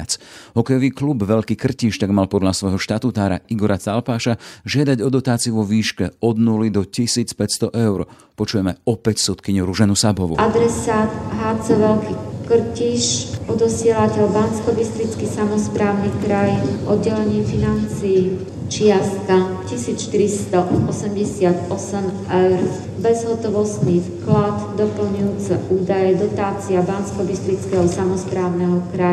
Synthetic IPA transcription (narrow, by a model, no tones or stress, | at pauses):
at͡sɦɔkɛjɔʋiːklubʋɛʎkiːkr̩ciːʃt̪aɡmalpɔd̪ʎasʋɔjɦɔʃt̪at̪uːt̪aːɾa̰iɡɔɾat͡salpaːʃaʒɪad̪aɟɔd̪ɔt̪aːt͡siuʋɔʋiːʃkɛɔd̪nulid̪ɔcisiːt͡spɛcst̪ɔʔɛʊɾ | pɔt͡ʃujɛmɛɔpɛcsut̪kiɲuɾuʒɛnusabɔʋṵʔad̪ɾɛsaːt̪ɦaːt͡sɛʋɛlkikr̩ciʃɔd̪ɔsɪɛlacɛlbanskɔbist̪ɾit͡skisamɔspɾaːʊnikɾajʔɔd̪ɟɛlɛɲɪɛfinant͡sijː | t͡ʃɪast̪kacisiːt͡sʃt̪iɾist̪ɔɔsɛmɟɛsɪat̪ɔsɛm | ɛwɾ | bɛzɦɔt̪ɔʋɔst̪niːfklad̪d̪ɔpl̩ɲujuːt͡sɛ̰ʔuːd̪ajɛd̪ɔt̪aːt͡siabanskɔbist̪ɾit͡skɛɦɔsamɔspɾaːʊnɛɦɔkɾa